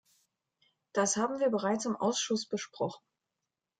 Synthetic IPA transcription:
d̥ashaːbm̩viːɐbəʁ̞aɪt͡sɪmʔa̰ʊsʃʊsb̥əʃpʁ̥ɔχn̩

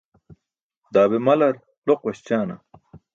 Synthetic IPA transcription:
d̪aːbemɐlɐɾ | loqwɐɕt͡ɕaːnɐ̰

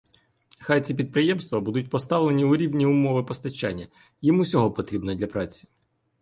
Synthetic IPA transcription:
xajt͡sʲip̬ʲid̪̚pɾɪjɛmst̪ʋɐbud̪ʊt̚ʲpɔst̪ɑʋlˠenʲiʊɾʲiwnʲiʊmɔʋɪpɔst̪ɐt͡ʃːa̰nʲːɐ | jimusʲɔɦɔpɔt̪ɾʲibnɔd̪lʲɐpɾɑt͡sʲi̥

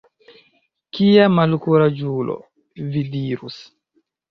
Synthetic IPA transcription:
kiamalkuɾad͡ʒulo̰ | vidiɾṵs

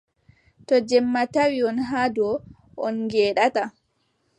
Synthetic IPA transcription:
tɔd͡ʒɛmːatawiɔnɦadɔ | ʔɔnŋɡɛːɗata

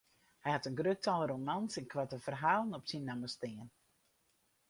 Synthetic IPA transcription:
hɛjhatənɡrøtalˠromansɛnkʰʋatəfərɦaːlˠnɔpsinːaməstɪən

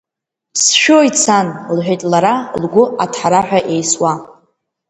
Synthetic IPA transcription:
sʃᶣojt͡sʰanlħʷᶣejtʼlaɾalɡʷʊatʰħaɾaħᶣaʔe̞jswa

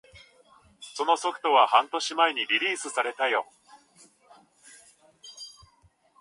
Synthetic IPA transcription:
so̞no̞so̞kɯ̥t̪o̞βahãnt̪o̞ɕimaeɲ̟iɾʲiɾʲiːsɨsaɾe̞t̪ajo̞

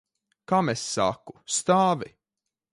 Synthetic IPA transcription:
kamesːa̰ku̥st̪aːvi

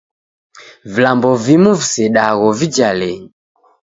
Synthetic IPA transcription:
vilambɔvimuvisɛɗaɣɔvid͡ʒalɛɲi

